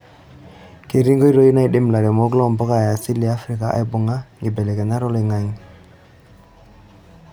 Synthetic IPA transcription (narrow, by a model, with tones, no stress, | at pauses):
ke˨ɾi˦ŋɡo˦i˦ɾo˦i˦na˦jɗi˦mla˨ɾe˨mo˦ɡlɔ˦˨mbɔ˦ka˨ja˨si˦lːi˨a˦fɾi˦˨ka˨ʔa̰˨jbʊ˨ŋa˦ŋi˨bɛ˨le˨ke˨na˦ɾɔ˦li˨ŋa˨ŋ